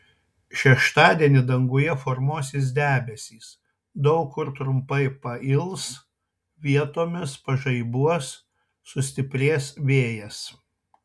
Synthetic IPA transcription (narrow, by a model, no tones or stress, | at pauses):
ʃʲɛʃt̪ɑːd̪ʲiɛnʲɪd̪ɐŋɡʊjɛfɔɾmuɔsʲɪs̬d̪ʲæːbʲɛsʲiːs | d̪ɐʊkːʊɾt̪ɾʊmpɐɪpɐɪlˠs | ʋʲiɛt̪oːmʲɪspɐʒɐɪbuɔsː | ʊsʲt̪ʲɪpʲɾʲeːsʋʲeːjɛs